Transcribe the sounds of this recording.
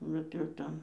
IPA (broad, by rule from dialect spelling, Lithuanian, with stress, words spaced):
ˈbʲɛt jɛʊ ˈtʲɛn